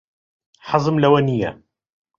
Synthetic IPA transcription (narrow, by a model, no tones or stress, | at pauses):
ħɑzˤəmlæwænijːa̰